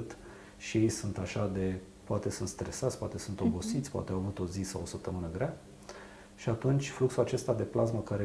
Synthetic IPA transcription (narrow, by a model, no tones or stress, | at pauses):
t̪ | ʃije̞jsunt̪aʃad̪e̞ | poat̪e̞sunt̪st̪ɾe̞sat̪sʲpoa̰t̪esunt̪o̞bo̞sit̪sʲpoa̰t̪eawavut̪o̞zisa̰wosəp̚t̪əmɨnəɡɾea | ʃiat̪unt͡ʃʲfluksuat͡ʃe̞st̪ad̪e̞plazməkaɾe